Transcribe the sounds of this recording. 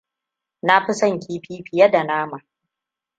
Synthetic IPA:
na˦ɸi˦sɐ˦˨ŋkʲʰiː˦ɸiː˦ɸɪ˨jɐ˦da˨naː˦ma˨

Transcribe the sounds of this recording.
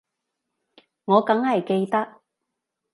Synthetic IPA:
ŋɔː˨˧kɐ˨˥ŋhɐ˨jke˧jt̪ɐ˥k̚

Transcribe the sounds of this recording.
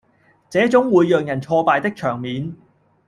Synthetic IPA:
t͡sɛː˨˥t͡sʊ˨˥ŋwuː˨˧jːœː˨˩ŋjɐ˨˩nt͡sʰɔː˧paː˨˧jt̪ɪ˥k̚t͡ʃʰœː˨˩ŋmiː˨˥n

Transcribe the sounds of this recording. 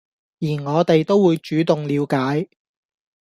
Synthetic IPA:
jiː˨˩nŋɔː˨˧t̪e˨jt̪o˥wwuː˨˧jt͡ʃyː˨˥t̪ʊ˨ŋliː˨˧wkaː˨˥j

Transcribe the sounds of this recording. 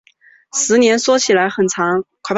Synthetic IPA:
sɹ̩˧˥njɛ˧˥nswɔ˥t͡ɕʰi˨˩la˧˥ɪxə˨˩nt͡sʰɑ˧˥ŋkʰwa˨˩p

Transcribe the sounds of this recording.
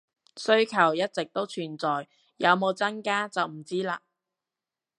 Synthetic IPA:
sɵ˥ɥkʰɐ˨˩wjɐ˥t̚t͡sɪ˨k̚t̪o˥wt͡ʃʰyː˨˩nt͡sɔː˨j | jɐ˨˧wmo˨˧wt͡sɐ˥nkaː˥t͡sɐ˨wm̩˨˩t͡siː˥laː˧

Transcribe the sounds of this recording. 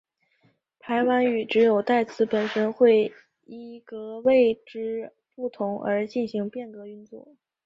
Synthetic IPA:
pʰa˧˥ɪwa˧˥ny˨˩ʈ͡ʂɻ̩˧˥jo˨˩ʊt̪a˥˩ɪt͡sʰɹ̩˧˥pə˨˩nʂə˥nxwe˥˧ɪ | i˥˩kɤ˧˥we˥˧ɪʈ͡ʂɻ̩˥˩ | pu˥˩t̪ʰʊ˧˥ŋə̰˞˧˥t͡ɕi˥˩nɕi˧˥ŋpjɛ˥˩nkɤ˧˥y˥˧nt͡swɔ̰˥˩

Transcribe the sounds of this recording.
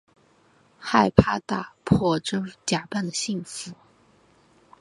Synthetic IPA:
xa˥˩ɪpʰa˥t̪a˥˩pʰɔ˥˩ʈ͡ʂ̩˥t͡ɕja˨˩pa˥˩nd̪ə˩ɕi˥˩ŋfu˧˥˦

